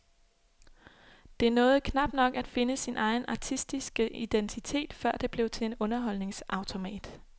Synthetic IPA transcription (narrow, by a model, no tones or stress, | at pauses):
d̥e̝æɐnɔ̽ːð̞̩ˠkʰnɑ̈b̥nɒ̽ɡ̥æd̥fe̝nəsinʔɑ̈ɪn̩ʔɑ̈t͡sʰisd̥isɡ̥əʔid̥ent͡sʰit͡sʰe̝̰ːd̥fɶɐ̰d̥e̝b̥le̝ʊt͡sʰe̝le̝nɔ̽nɐɦɒ̽lne̝ŋsʔɑ̈ʊt͡sʰo̝mɛ̰ːd̥